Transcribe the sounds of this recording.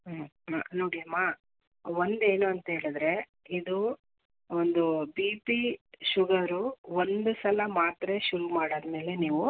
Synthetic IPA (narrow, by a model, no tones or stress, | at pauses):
a̰no̞ːɽiɐmːa | ʋond̪e̞ːnuɐnt̪ɐɦe̞ːɭid̪ɾe̞ | id̪u | ond̪ubiːpiʃuɡɐɾuond̪usɐlɐmaːt̪ɾeʃuɾumaːɽɐd̪ɐme̞ːle̞niːʋu